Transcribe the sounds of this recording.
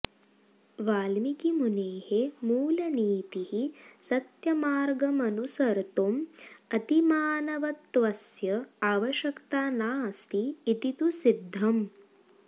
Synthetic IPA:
ʋaːlmikimuneːhemuːlɐniːt̪ihisɐt̪jɐmaːɾɡɐmɐnusɐɾt̪omɐt̪imaːnɐʋɐt̪ːʋɐsjɐaːʋɐʃjɐkt̪aːnaːst̪ʰiːt̪it̪usid̪ʱːɐm

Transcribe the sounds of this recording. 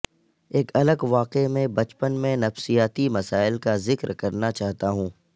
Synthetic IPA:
eːkʰɐləɡʋaːqemẽbɐt͡ʃpənmẽnɐfsijaːt̪imɐsaːɪlkazɪkɾkɐɾnat͡ʃaːɦt̪aɦũː

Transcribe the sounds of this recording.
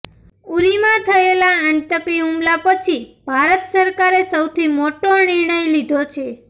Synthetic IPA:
uɾimãt̪ʰəelaəɳʈəkiumlapət͡ʃʰibʱaɾət̪səɾkaɾesəwt̪ʰimoʈonɪɾɳ̃əjlid̪ʱot͡ʃʰe

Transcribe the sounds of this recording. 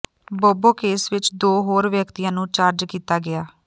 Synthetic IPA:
boːboːkeːsʋɪt͡ʃd̪oːɦoːɾʋjəkt̪ijãːnũːt͡ʃaːɾd͡ʒkiːt̪aːɡɪaː

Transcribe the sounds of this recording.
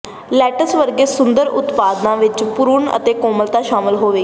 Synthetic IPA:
lɛːʈəsʋəɾɡeːsʊnd̪əɾʊ̰t̪paːd̪nãːʋɪt͡ʃpʊɾʊɳə̰t̪eːkoːməlt̪aːʃaːmɪlɦoːʋeː

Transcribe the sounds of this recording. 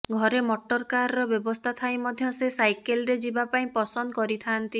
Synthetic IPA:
ɡʱɔɾemɔʈɔɾkaɾɔɾɔbjɔbɔst̪ʰat̪ʰajmɔd̪ʱjɔsesajkelɾed͡ʒibapaĩpɔsɔnd̪ɔkɔɾit̪ʰant̪i

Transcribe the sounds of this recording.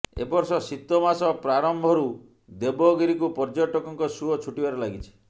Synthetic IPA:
ḛbɔɾsɔsit̪ːɔmasɔpɾaɾɔmbʱɔɾu | d̪ebɔɡiɾikupɔɾd͡ʒɔʈɔkɔŋkɔsuɔt͡ʃʰuʈibaɾɔlaɡit͡ʃʰi̥

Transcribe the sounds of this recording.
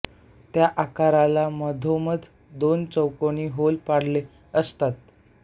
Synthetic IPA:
t̪jaʔakaɾalaməd̪ʱoməd̪ʱ | d̪ont͡səwkoniɦolpaɽ̤le | əst̪at̪̚

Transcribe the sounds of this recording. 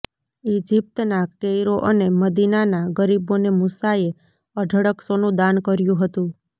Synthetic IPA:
id͡ʒip̚t̪nakejɾoʔəneməd̪inanaɡəɾibonemusae | əɖʱəɽəksonũd̪ankəɾjũɦət̪ũ

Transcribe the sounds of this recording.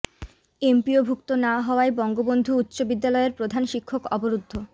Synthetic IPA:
empiobʱukt̪onaɦɔoaebɔŋɡobond̪ʱuut̪ːɕobid̪ːalɔeɾpɾod̪ʱanʃikʰːokɔboɾud̪ʱːo

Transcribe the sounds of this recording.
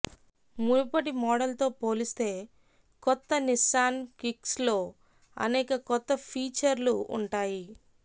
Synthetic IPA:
muɾupɐʈimɔːɽɐlt̪o̞ːpoːlist̪eː | kɔt̪ːɐnisaːnkikslo̞ː | ɐ̰neːkɐkɔt̪ːɐpʰiːt͡ʃɐɾluṵɳʈaːji

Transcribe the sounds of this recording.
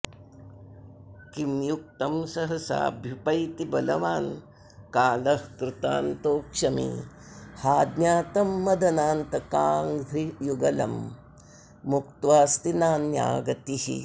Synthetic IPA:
kimjuk̚t̪ɐmsɐɦɐsa̰ːbʱjupɐjt̪ibɐlɐ̰ʋaːn | kaːlɐhkɾɪt̪a̰ːnt̪oːkʃɐmḭ | haːd̪njaːt̪ɐmːɐd̪ɐnaːnt̪ɐkaːŋd̪ʱijuɡɐlɐ̰mː | uk̚t̪ʋaːst̪inaːnja̰ːɡɐt̪ihḭ

